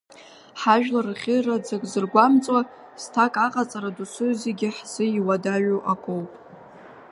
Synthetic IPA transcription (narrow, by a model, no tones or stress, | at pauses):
ħaʒᶣlarɨχʲɪrad͡zakʼzɨrɡʷamt͡sʼwa | stʰakʼaqʼat͡sʼaɾadusʷʰɨzeɡʲɪħz̥ɨiwadaɥuʔakʷʼowpʼ